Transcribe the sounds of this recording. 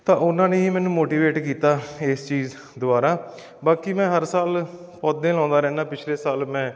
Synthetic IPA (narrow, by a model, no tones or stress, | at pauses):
t̪ãːʊnãːnẽːiːmɛ̃ːnũːmoːʈiːʋeːʈkiːt̪aːɪst͡ʃiːz | d̪ʊaːɾaː | baːkiːmɛ̃ːɦəɾsaːl | pɔːd̪ẽːlɔ̃ːnd̪aːɾɛ̃ːnaːpɪt͡ʃʰleːsaːlmɛ̃ː